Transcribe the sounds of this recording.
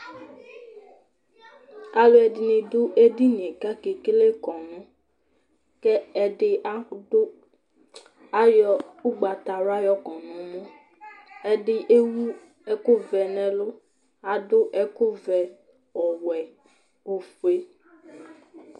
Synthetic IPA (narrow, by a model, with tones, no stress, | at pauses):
a˦lo˦ɛ˨dɪ˨nĩ˨dʊ˦ʔe˦di˦nĩ˨ɛ̃˨ka˦ke˨ke˦le˦kɔ̃˨nũ˦ | kɛ˦ɛ˨dɪ˦a˦dʊ˦ | a˦jɔ˦u˦ɡ͡ba˨t̪a˨ɾa˦jɔ˦kɔ̃˨nũ˨˦mõ˦ | ɛ˦dɪ˦ʔe˦wu˦ | ɛ˦kʊ˦vɛ˨nɛ̃˨lʊ˦ | a˨dʊ˦ʔɛ˦kʊ˦vɛ˨ | ɔ˨wɛ˨ | o˨fu˨e˦